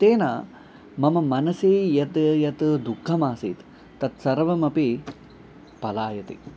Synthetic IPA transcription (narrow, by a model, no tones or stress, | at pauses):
t̪eːnaː | mɐmɐmɐnɐsiːjɐt̪jɐt̪d̪ukʰːɐmaːsḭːt̪ | t̪ɐt̪sɐɾʋɐmɐpi | pɐlaːjɐt̪ḭ